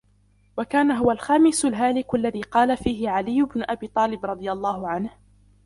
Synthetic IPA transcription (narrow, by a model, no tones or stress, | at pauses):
wakaːnaɦʊwalxaːmɪsʊlɦaːlɪkʔalːaðiːqɑːlafiːhɪʕalɪjːʊbnʊʔabiːt̪ˤɑːlɪbɾˤɑd̪ˤɨjalˤːɑːhʊʕanh